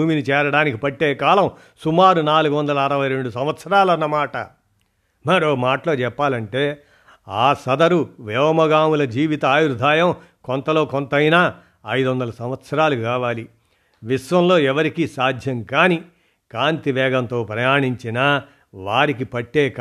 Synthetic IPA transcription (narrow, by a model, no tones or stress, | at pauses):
uːminit͡ʃɛːɾɐɽaːnikipɐʈːeːkaːlɐm | sumaːɾunaːluɡuʋɐnd̪ɐlɐːɾɐʋɐjɾe̞ɳɖusɐmʋɐt̪sɐɾaːlɐnːɐmaːʈɐ | mɐɾoːmaːʈɐlo̞ːt͡ʃɛpːaːlɐɳʈe̞ː | aːsɐd̪ɐɾuʋɛːʋmɐɡaːmulɐd͡ʒiːʋit̪ɐaːjuɾd̪ʱaːjɐm | kont̪ɐlo̞ːkɔnt̪ɐjnaː | ɐjd̪uʋɐnd̪ɐlɐsɐm̃ʋɐt̪sɐɾaːlukaːʋaːli | ʋiʂʋɐmlo̞ːɛʋɐɾikisaːd̪ʱjɐŋkaːni | kaːnt̪iʋɛːɡɐnt̪o̞ːpɾɐjaːɳiɲt͡ʃinɐ | ʋaːɾik̬ipɐʈːeːk